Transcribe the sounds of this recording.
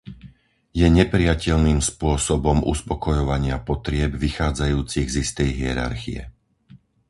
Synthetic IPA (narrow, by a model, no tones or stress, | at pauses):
jɛɲɛpɾiacɛʎniːmspʊɔsɔbɔmʔṵspɔkɔjɔʋaɲɪapɔt̪ɾɪɛbʋixaːd͡zajuːt͡siɣzist̪ɛjɦɪɛɾa̰ɾxḭjɛ̰